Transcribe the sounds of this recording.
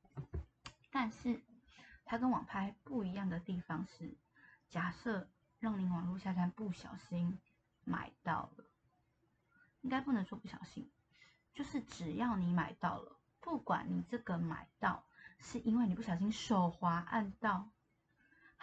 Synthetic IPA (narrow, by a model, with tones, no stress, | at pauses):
t̪a˥˧nʂɻ̩˥˩t̪ʰa˥kə˧˦nwɑ˨˩ŋpʰa˥ɪpu˥˩i˧˥jɑ˥˩ŋd̪ə˩t̪i˥˩fɑ˦ŋʂɻ̩˥˩ | t͡ɕja˨˩sɤ˥˧ | ɻɑ˥˩ŋni˧˨˥wɑ˨˩ŋlu˥˧ɕja˥˧t͡ɕʰa˧˥npu˥˩ɕjɑ̰˨˩ʊɕi˦n | ma̰˨˩ɪt̪ɑ̰˥˩ʊlə˩ | i˦˥ŋka˥ɪpu˥˩˨nə˧˥ŋswɔ˥˧˩pu˥˩ɕjɑ˨˩ʊɕḭ˦ŋ | t͡ɕjo˥˧ʊʂɻ̩˥˩ʈ͡ʂɻ̩˨˩jɑ˥˩ʊni˧˥ma˨˩ɪt̪ɑ˥˩ʊlə̰˩ | pu˥˩kwa̰˨˩˦nni˨˩ʈ͡ʂɤ˥˩ɡə˩ma̰˨˩ɪt̪ɑ˥˩˨ʊʂɻ̩˥˩ʔi˥nwe˥˩ni˨˩pu˥˩ɕjɑ˨˩ʊɕ̬i˦˥ŋʂo˨˩ʊxwa˧˥ʔa˥˧nt̪ɑ˥˩ʊ